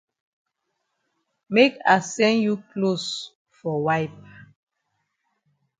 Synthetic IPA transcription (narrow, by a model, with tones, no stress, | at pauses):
me˦ka˨sɛ̃nju˦klos | fɔ˨wajp̚